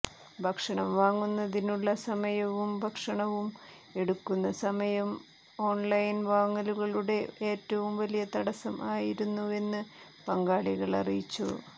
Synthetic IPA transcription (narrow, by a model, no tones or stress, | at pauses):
bʱɐkʂɐɳɐmʋaːŋːunːɐðinuɭːɐsɐmɐjɐʋumbʱɐkʂɐɳɐʋum | e̞ɽukːunːɐsɐmɐjɐm | o̞ːɳlɐjnʋaːŋːɐluɣɐɭuɽe̞ʔeːtːɐʋumʋɐlijɐt̪ɐɽɐsɐmʔaːjiɾunːue̞nːɨ | pɐŋɡaːɭiɣɐɭɐ̰rijit͡ɕːṵ